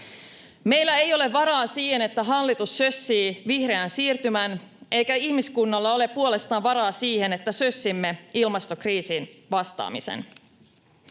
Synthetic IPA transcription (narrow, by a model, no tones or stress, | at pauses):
me̞jlːæejo̞le̞ʋʋɑɾɑːsiːhene̞t̪ːæɦɑlːit̪usːø̞sːiːʋihre̞ænsiːrt̪ymænʔejkæihmiskunːɑlːɑo̞le̞ppːuole̞st̪ɑːʋʋɑɾɑːsiːhe̞ne̞t̪ːæsøsːimːe̞ilmɑst̪okriːsinʋɑst̪ɑ̰ːmḭsḛn